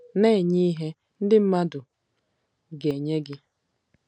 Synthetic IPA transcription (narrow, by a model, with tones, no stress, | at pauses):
ne˦˨ɲi˦ɦe˦ | n̩˦dɪ˦m̩˦ma˦dʊ˨ | ɡe˨ɲe˦ɡɪ˦